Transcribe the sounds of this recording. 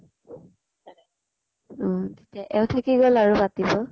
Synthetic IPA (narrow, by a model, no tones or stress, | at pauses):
tetiaʔɛʊtʰakiɡɔlaɹubatibɔ